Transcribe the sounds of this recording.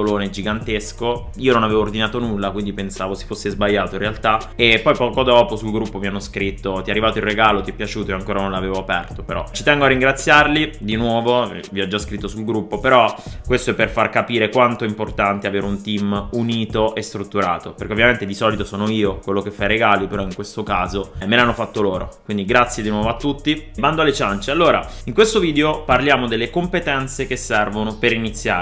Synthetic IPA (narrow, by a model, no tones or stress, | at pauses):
oloːned͡ʒiɡant̪esko | iːononaveːvoːrd̪inaːt̪onulːakwind̪ipensaːvose̥fosːezbajːaːt̪oĩnrealt̪a | epːɔjpɔːkod̪ɔːposulɡɾupːovianːoskɾit̪ːot̪iɛarːivaːt̪oirːeɡaːlot̪iɛpːjat͡ʃuːt̪oeaŋkoːɾanonlaveːvoapɛrt̪opeɾɔ̰t͡ʃit̪ɛŋɡoarːiŋɡɾat̪sːjarlid̪inwɔːvo | viɔd͡ʒːaskɾit̪ːosulɡɾupːopeɾɔkwest̪oɛperfarkapiːɾekwant̪oimport̪ant̪eaveːɾeunt̪imuniːt̪oʔest̪ɾut̪ːuɾa̰ːt̪operkeovjament̪ed̪isɔːlit̪osoːnoiːokwelːokefːajɾeɡaːlipeɾɔiŋkwest̪okaːzomelanːofat̪ːoloːɾo̰kkwind̪iɡɾat̪sːjed̪inwɔːvoat̪ːut̪ːiband̪oalet͡ʃant͡ʃealːoːɾa̰ | iŋkwest̪oviːd̪eoparljaːmod̪elːekompet̪ɛnt̪sekesːɛrvonopeɾinit̪sːja̰ː